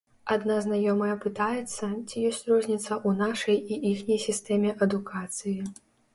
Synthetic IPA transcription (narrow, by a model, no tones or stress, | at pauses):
ɐd̪naznajɔmɐjɐpɨt̪ajɛt̪sːɐt͡sʲijɔsʲt͡sʲrɔzʲnʲit̪sːɐʔunaʂɐjiʔixnʲɐjsʲist̪ɛmʲɛʔɐd̪ukat̪sɨji